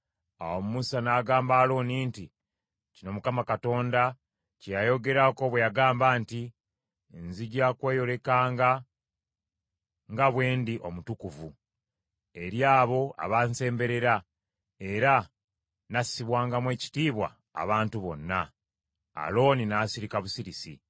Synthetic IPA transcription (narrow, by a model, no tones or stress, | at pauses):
awomumusanaːɡaːmbaːlo̞ːniːnti | cino̞mukamakato̞ːnda | cejajo̞ɡe̞ɾako̞βwejaɡaːmbaːnti | nziɟakwe̞ːjo̞le̞kaːŋɡa | ŋɡaβwe̞ːndiʔo̞mutukuvu | e̞ɾjaːβo̞a̰βanse̞ːmbe̞ɾe̞ɾa | e̞ɾa | nasiβwaːŋɡamwe̞ːci̥tiːβwa̰ː | βaːntuβo̞nːa | a̰lo̞ːninaːsiɾikaβusiɾisḭ